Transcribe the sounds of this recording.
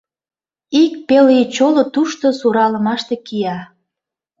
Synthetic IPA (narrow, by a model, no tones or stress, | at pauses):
ik̚pelit͡ɕolot̪uʃt̪osuɾɑlə̆mɑʃt̪ekijɑ